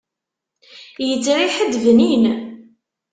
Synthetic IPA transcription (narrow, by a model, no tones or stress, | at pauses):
jət͡sːɾiħəd̪ːvnin